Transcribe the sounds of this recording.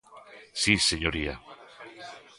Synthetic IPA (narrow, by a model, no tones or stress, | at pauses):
siseɲoɾia̰